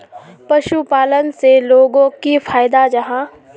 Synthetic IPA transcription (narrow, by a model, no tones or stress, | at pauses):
pɐʃupaːlənseloːɡõkifʰaːɪd̪ad͡ʒɐɦãː